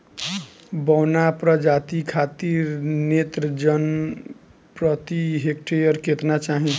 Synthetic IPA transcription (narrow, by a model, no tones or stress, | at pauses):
bɔwnapɾəd͡ʒat̪ikʰat̪iɾnet̪ɾəd͡ʒən | pɾʌt̪iɦekʈejəɾket̪nat͡ʃaɦĩ